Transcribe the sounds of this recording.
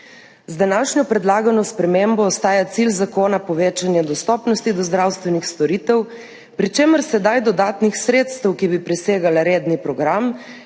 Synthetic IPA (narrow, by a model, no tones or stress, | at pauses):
zd̪anaːʃnɔpɾɛd̪laːɡanɔspɾɛmembɔːst̪aːjat̪silzakoːnapɔʋeːt͡ʃanjad̪ɔst̪ɔːpnɔst̪id̪ɔzd̪ɾawst̪ʋɛnixst̪ɔɾiːt̪ɛw | pɾit͡ʃeːməɾsɛd̪ajd̪ɔd̪aːt̪nixsɾeːt̪st̪ɛwkibipɾɛseːɡalaɾeːd̪nipɾɔɡɾam